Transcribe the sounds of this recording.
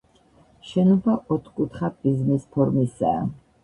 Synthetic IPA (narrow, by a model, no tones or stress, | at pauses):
ʃɛnubaʔɔt̪ʰkʼut̪ʰχab̪izmispʰɔɾmisɛ̰a̰